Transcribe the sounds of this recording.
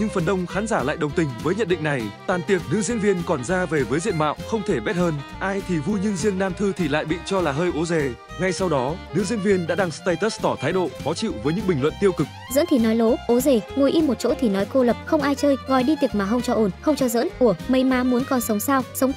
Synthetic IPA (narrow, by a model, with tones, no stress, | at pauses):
ɲɨ˧ŋfə˨˩nɗə˧wŋ͡mxaː˨˦nzaː˧˩la̰ː˧˨jɗə˨˩wŋ͡mt̪ï˨˩ŋ̟vəː˨˦jɲə˧˨nɗḭ˧˨ŋna˨˩jt̪waː˨˩nt̪i˨˩ək̚nɨ̰˧˥zi˧ənvi˧ənkɔ˨˩nzaː˧ve˨˩vəː˨˦jzḭ˧˨ənma̰ː˧˨wxə˧wŋ͡mt̪ʰe˧˩ɓɛ˦˥t̚həː˧nʔaː˧jt̪ʰi˨˩vu˧jɲɨ˧ŋzi˧əŋnaː˧mt̪ʰɨ˧t̪ʰi˨˩la̰ː˧˨jɓḭ˧˨t͡ɕɔ˧laː˨˩ɦəː˧jʔo˨˦zɛ˨˩ | ŋa˧˩jsa˧wɗɔ˨˦nɨ̰˧˥zi˧ənvi˧ənɗa̰ː˧˥ɗaː˧ŋst̪a˧jt̪ə˦˥s̚t̪ɔ˧˩t̪ʰaː˨˦jɗo̰˧˨fɔ˨˦t͡ɕḭ˧˨wvəː˨˦jɲɨ̰˧˥ŋɓï˨˩ŋlwə̰˧˨nt̪i˧əwkɨ˨˩k̚zə̰˧˥nt̪ʰi˨˩nɔ˨˦jlo˨˦ʔo˨˦ze˨˩ŋu˨˩əjʔi˧mːo˨˩t̚t͡ɕo̰˧˥t̪ʰi˨˩nɔ˨˦jko˧lə˨˩p̚xə˧wŋ͡mʔaː˧jt͡ɕəː˧jɣɔ˨˩jɗi˧t̪i˨˩ək̚maː˨˩xə˧wŋ͡mt͡ɕɔ˧ʔo˧˩nxə˧wŋ͡mt͡ɕɔ˧zə̰ː˧˥nʔu˧˩əmə˨˦jmaː˨˦mu˨˦ənkɔ˨˦nsə˨˦wŋ͡msaː˧wsə˨˦wŋ͡m